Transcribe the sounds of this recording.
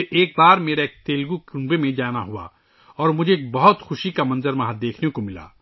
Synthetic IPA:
eːk̚baːɾmeːɾaeːk̚t̪eːlɡukʊ̃mbemẽd͡ʒaːnaɦua̰ː | ɔːɾmʊd͡ʒʱeːk̚bɐɦʊt̪xʊʃikamɐ̃nzəɾmɐɦad̪eːkʰnekomɪla̰ː

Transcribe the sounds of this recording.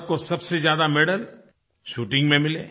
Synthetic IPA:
t̪̚kosɐbsezjaːd̪amɛɽəl | ʃuːʈɪ̃ŋɡmẽmɪlḛː

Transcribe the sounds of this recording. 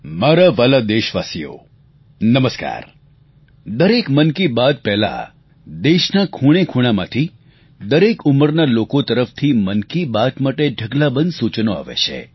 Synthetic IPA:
maɾaʋalad̪eʃʋasijo̰ | nəməska̰ɾ | d̪əɾekmənkibad̪̚pɛɦla̰ | d̪eʃnakʰuɽ̃ekʰuɽ̃amã̰t̪ʰi | d̪əɾekuməɾnalokot̪əɾəft̪ʰimənkibad̪maʈeɖʱəɡlabənd̪sut͡ʃnoa̰ʋḛʃʰḛ

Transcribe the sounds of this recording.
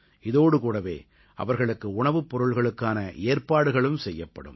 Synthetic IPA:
ɪðoːɽɯkuːɽɐʋḛː | ʔɐ̰ʋɐɾɣɐɭɯkːɯʊɳɐʋɯpːɔɾɯɭɣɐɭɯkːaːnɐʔeːɾpaːɽɯɣɐɭɯmsɛjːɐpːɐ̰ɽɯ̰m

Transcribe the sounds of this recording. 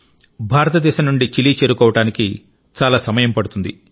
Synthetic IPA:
bʱaːɾɐt̪ɐd̪ɛːʃɐmnuɳɖit͡ʃiliːt͡ʃeːɾukɔːʋɐʈaːniki | t͡ʃaːlaːsɐmɐjɐmpɐɽut̪und̪i

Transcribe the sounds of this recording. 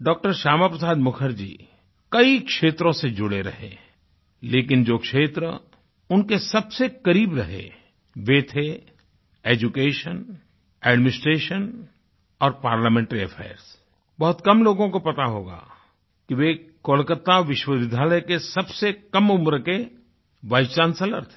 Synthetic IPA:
ɖɔːk̚ʈəɾʃaːmapɾəsaːd̪mʊkʰəɾd͡ʒḭː | kɐikʃeːt̪ɾõsed͡ʒʊɽeɾɐ̰ɦḛ̃ | leːkɪnd͡ʒoːkʃeːt̪ɾə | ʊnkesɐbsekɐɾiːbɾɐɦḛ | ʋet̪ʰe | eːd͡ʒukeːʃən | ɛːɖmɪnɪsʈɾeːʃən | ɔːɾpaːɾlamẽːɳʈɾiɐfʰɛ̰ːɾs | bɐɦʊt̪kɐmloːɡõkopɐt̪aɦoːɡa̰ː | kiʋekoːlkət̪ːaʋɪʃwəʋɪd̪ʱaːləjkesɐbsekɐmʊmɾəke | ʋaːt͡ʃãːnsələ̰ɾt̪ʰe

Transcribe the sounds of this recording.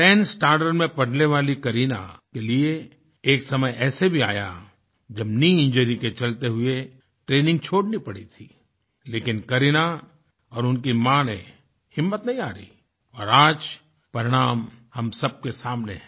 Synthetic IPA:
ʈɛːnsʈaːɾɖəɾmẽpɐɽ̤neʋaːlikɐɾina̰kelie | eːksɐməjɛːsebʱiaːja̰ | d͡ʒɐbniɪ̃nd͡ʒəɾiket͡ʃɐlt̪eɦʊe | ʈɾeːnɪ̃ŋɡ̚t͡ʃʰoːɽnipɐɽit̪ʰiː | leːkɪnkɐɾina | ɔːɾʊnkimãːnḛ̃ | hɪmːət̪nɐɦĩaːɾə̰i | ɔːɾaːd͡ʒ | pɐɾɪɽ̃aːmhɐmsɐb̚kesaːmnḛ

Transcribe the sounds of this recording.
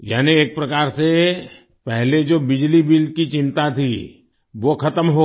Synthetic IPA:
jaːnieːk̚pɾɐkaːɾse | pɛɦled͡ʒoːbɪd͡ʒlibɪlkit͡ʃɪ̃nt̪at̪ʰḭ | ʋokʰɐt̪əmɦo

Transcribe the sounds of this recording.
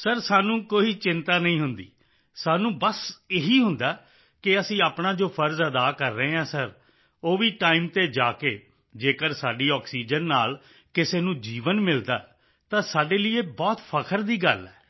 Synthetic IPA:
səɾsaːnũːkoːiːt͡ʃɪnt̪aːnəĩːɦʊnd̪ḭː | saːnũːbəseɦiːɦʊnd̪aː | kɪəsĩːaːpnãːd͡ʒoːpʰəɾzəd̪aːkəɾːəeːɦãːsəɾ | oːʋiːʈaːiːmt̪eːd͡ʒaːkeː | d͡ʒeːkəɾsaːɖiːɔːksiːd͡ʒənːaːl | kɪseːnũːd͡ʒiːʋənmɪld̪a̰ː | t̪ãːsaːɖeːliːeːbɔːt̪pʰəkʰəɾd̪iːɡəlɛː

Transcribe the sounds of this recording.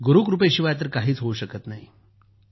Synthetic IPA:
ɡuɾuːkɾup̬ejɕiʋajat̪̬əɾkaɦiːt͡sɦouɕəkət̪naɦi

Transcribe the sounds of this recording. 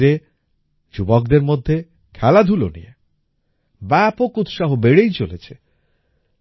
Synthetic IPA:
ɾe | d͡ʑubok̚d̪eɾmod̪ʱːe | kʰɛlad̪ʱulo̰nḭje | bɛpokut̪ʃaɦobeɽejt͡ɕolet͡ɕʰe

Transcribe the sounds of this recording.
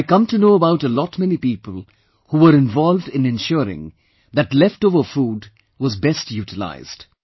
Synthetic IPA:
ɪkʌ̃mtunoːəbaʊʈəlɔtmɛnipiːpəl̩ˠ | huwəɾɪ̃nvɔlˠvdɪ̃nɨ̃nʃʊɾɪ̰̃ŋ | ðɨtlɛftovə˞fuːd | wʌzbɛstʰjuːtəla̰ɪz̥d̥

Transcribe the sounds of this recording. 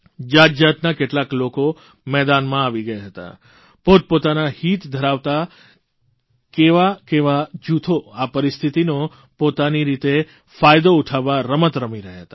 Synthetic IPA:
d͡ʒad͡ʒat̪nakeʈlakloko | mɛd̪anmãaʋiɡəjaɦət̪a̰ | pot̪̚pot̪anahit̪d̪ʱəɾaʋt̪a | keʋakeʋad͡ʒut̪ʰoapəɾist̪ʰit̪ino | pot̪aniɾit̪e | fajd̪ouʈʰaʋːaɾəmət̪ɾəmiɾəɦjaɦət̪a

